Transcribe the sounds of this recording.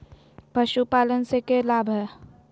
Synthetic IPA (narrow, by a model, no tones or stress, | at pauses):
pəʃupaːlənsekelaːbʱə